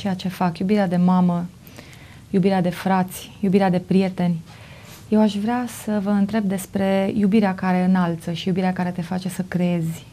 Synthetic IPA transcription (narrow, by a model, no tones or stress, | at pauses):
t͡ʃejat͡ʃe̞fakjubiɾead̪e̞mamə | jubiɾead̪e̞fɾat̪sʲjubiɾead̪e̞pɾije̞t̪e̞nʲ | je̞waʃvɾeasəvəɨnt̪ɾe̞b̚d̪e̞spɾe̞jubiɾeakaɾe̞ɨnalt̪səʃijubiɾeakaɾe̞t̪e̞fat͡ʃe̞səkɾeezʲ